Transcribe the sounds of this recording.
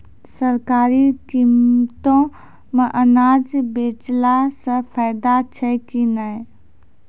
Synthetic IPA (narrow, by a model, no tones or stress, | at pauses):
səɾkaːɾikimt̪õ | mə̃ʔənaːd͡ʒbeːt͡ʃlasəpʰaɪd̪at͡ʃʰəkinaj